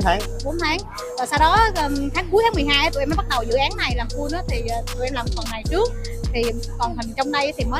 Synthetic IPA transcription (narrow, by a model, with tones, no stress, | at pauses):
a˨˦ | ɓo˨˦nt̪ʰaː˨˦ŋ | ʔəː˨˩saː˧wɗɔ˨˦əː˨˩t̪ʰaː˨˦ŋk̬u˨˦jt̪ʰaː˨˦m˨˩jɦaː˧jʔa˨˦t̪ʰːmə˨˦ɓ̚ɗə˨˩wzɨ̰˧˥ʔaː˨˦nːa˨˩jlaː˨˩mt̪u˧ənɨ̰ː˨˦t̪ʰi˨˩əː˨˩t̪ɨ˨˩ʔɛ˧mlaː˨˩m˨˩fə˨˩nːŋa˨˩jt͡ɕɨ˦˥ək̚ | t̪ʰi˨˩˨ | kɔ˨˩nt̪ʰa˨˩ŋt͡ɕɔ˧wŋ͡mɗə˧jt̪ʰi˨˩məː˨˦